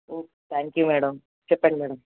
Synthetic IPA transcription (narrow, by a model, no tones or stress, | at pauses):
oː | t̪ʰaːŋkjumeːɽɐm | sepːeɳɖmeːɽɐm